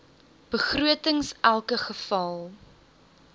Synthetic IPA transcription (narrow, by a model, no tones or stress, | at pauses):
b̥əχruətəŋsʔælˠkəχəfɐlˠ